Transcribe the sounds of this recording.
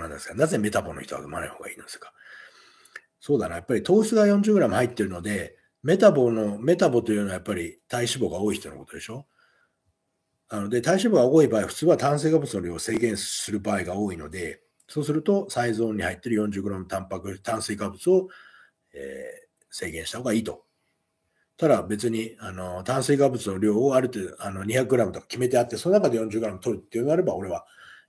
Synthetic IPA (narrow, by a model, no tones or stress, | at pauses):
onãnd̪e̞sɨ̥ɡanaze̞me̞t̪abo̞noçi̥t̪oɡa̰d̪omanaiho̞ːɡaiːnod̪eskḁ | so̞ːd̪anajapːaɾʲit̪o̞ːɕi̥t͡sɨɡajõ̞ɲ̟d͡ʑɨːɡɯ̟ɾamɯ̟hait̪ːe̞ɾɯ̟no̞d̪e̞ | me̞t̪abo̞no̞me̞t̪abo̞t̪o̞jɯ̟noajapːaɾʲit̪aiɕibo̞ɡao̞ːiçi̥t̪o̞nokot̪o̞d̪e̞ɕo̞ | ano̞d̪e̞t̪aiɕibo̞ɡao̞ːibaːiɸɯ̟̥t͡sɨːβat̪ãɰ̃s̬e̞ːkabɯ̟t͡sɨnoɾʲose̞ːɡẽ̞ɰ̃sɨɾɯ̟baːiɡao̞ːino̞d̪e̞ | so̞ːsɨɾɯ̟t̪o̞saizo̞ːɲ̟ːihait̪ːe̞ɾɯ̟jõ̞ɲ̟d͡ʑɨːɡɯ̟ɾamɯt̪ãmpakɯ̟t̪ãɰ̃seːkabɯ̟t͡sɨo̞ | ḛ | se̞̰ːɡẽ̞ɰ̃ɕi̥t̪aho̞ːɡaiːt̪o̞̰ | t̪ad̪abe̞t͡sɨɲ̟iano̞t̪ãɰ̃seːɡabɯ̟t͡sɨno̞ɾʲo̞ːoaɾɯ̟t̪eːd̪oano̞ɲ̟içakːɯɡɯ̟ɾamɯ̟t̪o̞kḁkʲime̞t̪e̞at̪ːe̞so̞no̞nakad̪e̞jõ̞ɲ̟d͡ʑɨːɡɯ̟ɾamɯ̟t̪o̞ɾɯ̟t̪ːejomiaɾe̞bao̞ɾe̞βa